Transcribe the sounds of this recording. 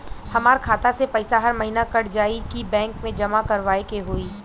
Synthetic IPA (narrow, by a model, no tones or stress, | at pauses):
hɐmaːɾkʰaːt̪asepɐɪsaɦɐɾmɐɦiːnakɐɽd͡ʒaːikibɛ̃ːŋkmẽd͡ʒɐmakɐɾʋaːekeɦoːiː